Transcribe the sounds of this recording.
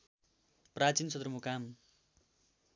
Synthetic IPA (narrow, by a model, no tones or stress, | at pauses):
prat͡sinsʌd̪rʌmukam